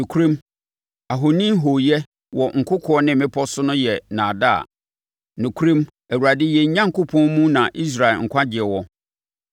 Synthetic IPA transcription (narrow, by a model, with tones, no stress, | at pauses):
nʊ̃˨kʰu˦ɾĩ˦m | a˨ɦo˨nĩ˦m˦ɦo˨jɛ˦ | wɔ˨ŋ̩˨kʰʊ˦kʰɔ˨˦ɔ˦nɪ̃˦m˨mɪ̃˦pʰɔ˦sʊ˦nʊ̃˦jɛ˨nãː˨da̰˦˨ | nʊ̃˨kʰu˦ɾĩ˦m | æ˨wu˨ɾa˨dɪ˦jɛ˨ɲ̩˦ɲã˦ŋ̩˨kʊ˦pʰɔ̃˦nmũ˦nã˨ʔi˦s̬ɾa˨lŋ̩˨kʰʷã˦d͡ʑɪ˨ɛ˨wɔ˦